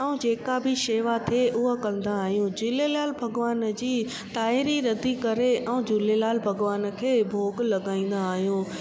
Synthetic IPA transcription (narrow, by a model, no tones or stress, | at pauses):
ɛũd͡ʑeːkabʱɪʃeːʋat̪ʰeʔʊɦakɐ̃n̆d̪aːɦijũd͡ʑʊlelaːlbʱɐɡʋaːnd͡ʑiː | t̪aːɪɾiɾɐd̪ikɐɾeʔɛũd͡ʑʊlelaːlbʱɐɡʋaːnə̆kʰeːbʱoːɡlɐɠaːĩːn̆d̪aːɦijũ